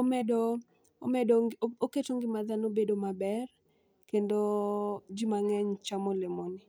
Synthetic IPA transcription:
omɛdo | omɛdooketoŋɡɪmad̪anobedomabɛr | kendod͡ʒimaŋɛɲt͡ʃamolemonɪ

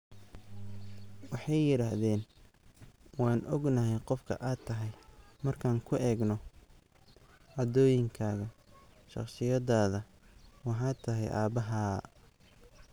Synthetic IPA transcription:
wɑħɑjːɪɾaːhðɛːn | wɑːnʔɔɡnɐɦɛjqɔfkʰɐ̰ʔaːt̪ʰːɐɦɛjmɐrkʰaːŋkʰʊʔɛːɡnɔ | ʕɑd̪ɔːjɪŋkʰaːɣɐʃɑ̰qsɪjɐðaːðɐ | wɑħɑːt̪ʰɐɦɛ̰jʔaːbɐɦaː

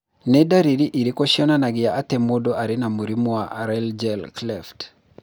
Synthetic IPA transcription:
nɛdaɾiɾiʔiɾikɔʃiɔnanaɡɪjaʔatɛmodoʔaɾɪnamuɾimuwaʔɾɛld͡ʒɛlklɛft

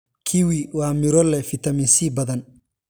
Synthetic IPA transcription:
kʰiwiwɑːmɪɾɔlɛfɪt̪ʰɐminsiːbɐðɐn

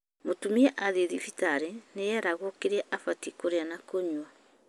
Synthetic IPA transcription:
motumiɛʔaðeðifitaɾeneaɾaɣoɔkeɾɛʔafatikoɾeanakoɲwa

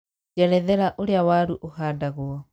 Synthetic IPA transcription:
d͡ʒɛɾɛðɛɾaʔoɾeawaɾuʔohaːndaɣwɔ

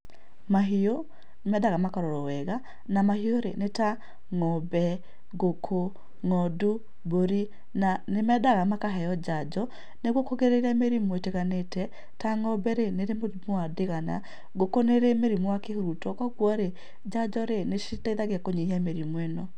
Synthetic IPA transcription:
maɦio | nemɛdaɣamakaɾɔɾɔwɛɣa | namahioɾḛneta | ŋɔbɛ | ɡokʰo | ŋɔdu | boɾi | nanemɛdaɣamakaɦɛjɔd͡ʒad͡ʒɔ | neɣwokoɣeɾeɾameɾimweteɣanetɛ | taŋɔbɛɾeneɾemomoadeɣana̰ | ɡokoneɾemeɾimwakehoɾutɔkaɣwɔɾe | d͡ʒad͡ʒɔɾeneʃitaiðaɣakoɲeiameɾimwɛnɔ

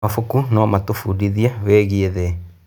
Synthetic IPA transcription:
afukunɔmatufudiðiaβɛɣieðɛ

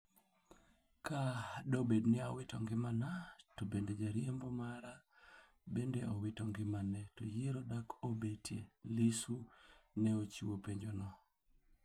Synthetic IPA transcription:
kadobednɪawɪtɔŋɡɪmanatobended͡ʒaɾjembɔmaɾa | bendeɔwɪtɔŋɡɪmanɛtojiɾodakʰobetijelisunɛot͡ʃiwopeɲd͡ʒonɔ

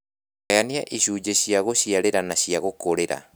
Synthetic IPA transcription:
ajaniaʔiɕuːd͡ʑeɕiaɣoɕiaɾeɾanaɕjaɣokoɾeɾa̰

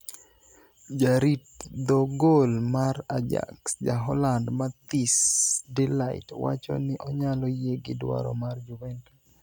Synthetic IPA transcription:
d͡ʒaɾitd̪ɔɡolmaɾad͡ʒa̰ksd͡ʒaɦɔlandmat̪isdɛlaɪtwa̰t͡ʃɔ̰nɪʔɔɲalɔjeɡɪdwa̰ɾɔ̰mard͡ʒuvɛntu

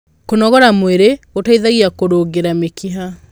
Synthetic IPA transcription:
konɔɣɔɾamweɾeotaiðaɣiakoɾoɣeɾamekʰiɦa

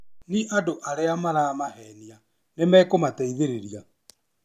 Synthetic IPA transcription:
niʔadoʔaɾeamaɾamahɛnia | nemɛːkomatɛiðeɾeɾia

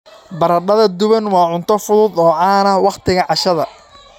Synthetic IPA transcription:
bɐɾɐɖɐðɐd̪ʊβɐnwɑːʕʊnt̪ʰɔfʊðuːd̪ɔːʕaːnɐwɑqt̪ʰɪɣɐʕɑʃɐðɐ

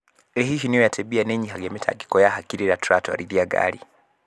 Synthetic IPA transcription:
lɛɦiʃinijɔjatʰɛbianɛɲiɦaɡɛmɛtʰa̰ɡikɔjahakiɾiɾatuɾatɔa̰ɾiɾiaɡa̰li

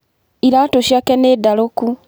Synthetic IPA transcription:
iɾaːtoʃakeneːdaloku

